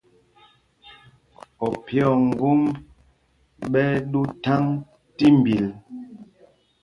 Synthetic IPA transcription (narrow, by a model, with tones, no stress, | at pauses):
ɔ˨pjɔ˦˨ŋ̩˨ɡu˦m | ɓɛ˦ɗu˦ta˦ŋ | ti˦m˨bi˨l